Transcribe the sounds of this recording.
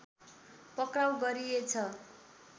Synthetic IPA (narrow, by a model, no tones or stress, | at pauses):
pʌkrawɡʌɾiet͡sʰʌ